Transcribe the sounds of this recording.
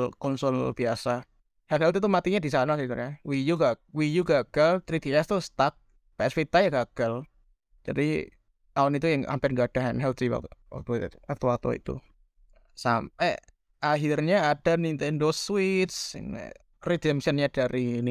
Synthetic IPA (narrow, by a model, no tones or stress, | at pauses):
lkɔnsɔlb̥iasa | hɛnhɛlt̪it̪umat̪iɲadisanakit̪uawijuɡawijuɡaɡ̥alt̪ɾit̪iɛst̪ust̪ak̚ | peɛspit̪ajaɡaɡ̥al | d͡ʒ̥adi | awɔnit̪ujəŋa̰mpɪnŋɡad̥aɦɛnɦɛlt̪iwa̰a̰kt̪ɔat̪uwat̪ɔ̰ḭt̪ṵ | sampɛ̰ | aɦirɲaːd̥anint̪ɛndoswit̪̚sŋ̰ | ridiəmsənɲad̥aɾʔini